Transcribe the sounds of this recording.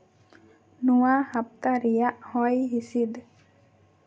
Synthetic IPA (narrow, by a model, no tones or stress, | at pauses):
nuwahap̚t̪aɾijaʔhɔjɦisid̪